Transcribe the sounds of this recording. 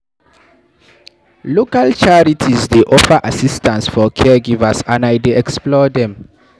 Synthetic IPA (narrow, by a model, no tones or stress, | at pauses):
lokalt͡ʃaɹitʰizdeʔɔfaʔasistãnsfɔkʰɛɡivəsãnajdeɛksplɔdɛ̃m